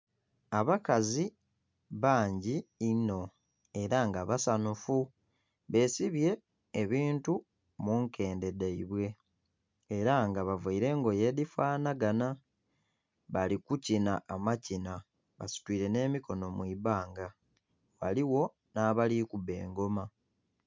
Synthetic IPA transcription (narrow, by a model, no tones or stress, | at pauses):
aβakazi | βaːɲɟiːno̞ | e̞ɾaŋɡaβasanufu | βe̞ːsiβje̞ː | βiːntu | muŋke̞ːnde̞deiβwe̞ː | ɾaŋɡaβavaiɾe̞ŋɡo̞je̞ːdifaːnaɡana | βalikucinaːmacina | βa̰si̥twiːɾe̞ne̞ːmiko̞no̞mwiβaːŋɡa | wa̰liwo̞ | naːβalikuβe̞̰ːŋɡo̞ma